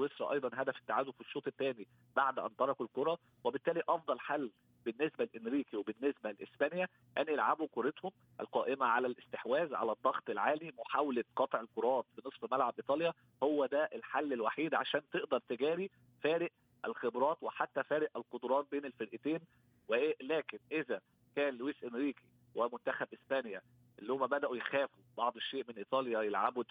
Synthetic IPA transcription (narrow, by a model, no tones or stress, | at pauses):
wesɾˤɑʔɑjd̪ˤɑnɦæd̪æfe̥t̪ːaʕaːd̪ofiʃːoːt̪ˤet̪ːæːni | b̥aʕd̪ʔæ̰nt̪ɑɾˤɑkulkoɾˤɑ | webɪt̪ːæːliʔɑfd̪ˤɑlħalː | b̥ɪnːesbælʔɪnɾiːkiwebɪnːesbælʔesbænjæ | ʔænʔelʕabukoɾet̪hom | ʔæ̰lqɑːʔɪmæʕalælʔɪst̪eħwæːzʕa̰læd̪ˤːɑɣt̪ˤelʕaːlimoħawleqɑt̪ˤʕelkoɾˤɑːt̪finɨsˤfmælʕabʔit̪ˤɑːljɑ | howːæd̪æʔelħalːelwaħiːd̪ʕaʃæːnt̪eʔd̪ɑɾˤt̪eɡæːɾi | fæːɾɪʔ | ælxebɾˤɑːt̪weħat̪ːæfæːɾɪʔælqod̪ɾˤɑːt̪̚beːnelfeɾʔɪt̪eːn | weʔlæːkɪnʔezæ | kæːnlwiːsʔemɾiːki | wemʊnt̪æxæbʔɪsbæːnjæ | ʔelːihomːæbæd̪æʔujexæːfubɑʕd̪ˤeʃːeːʔmenʔit̪ˤɑːljæjelʕabu